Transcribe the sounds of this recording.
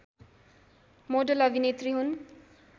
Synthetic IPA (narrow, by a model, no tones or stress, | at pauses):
moɖəlʌbʱinet̪riɦun